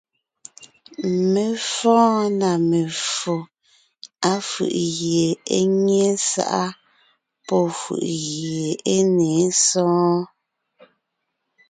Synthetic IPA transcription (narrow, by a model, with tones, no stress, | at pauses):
me˨fɔ̃ː˦na˨me˨fo˨ | a˦fɯ̰˨ʔɣje˨e˦ɲe˦sa̰˦ʔa˦ | pɔ˦fṵ˨ʔɣjje˨e˦neː˨˦sɔ̃ː˦